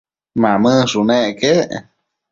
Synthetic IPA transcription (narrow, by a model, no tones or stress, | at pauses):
mãmɨʂunẽʔke